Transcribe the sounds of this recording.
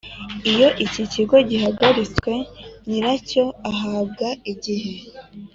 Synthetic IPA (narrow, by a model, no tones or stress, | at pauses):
ijo̞ʔiciciɡo̞ɟihaɡaɾit͡skwe̞niɾaco̞aɦaːb̚ɡaiɟiɦe̞